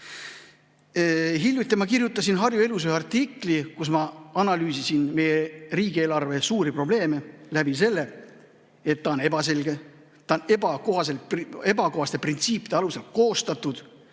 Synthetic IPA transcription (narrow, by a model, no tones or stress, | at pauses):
ɦiljut̪ʲːemɑkirjut̪ːˑɑsinɦɑrjue̞lus̬eɑrt̪iklikus̬mɑɑnɑlyːsisinme̞jeriːɡ̥ieːlɑrve̞suːɾipro̞ble̞ːme̞læb̥ise̞lːe̞ | e̞t̪ːɑone̞bɑse̞lɡe | t̪ːɑonebɑkohɑse̞le̞bɑko̞ɦɑst̪e̞print̪siːpi̥d̪̥eɑluse̞lko̞ːst̪ɑt̪ud̪̥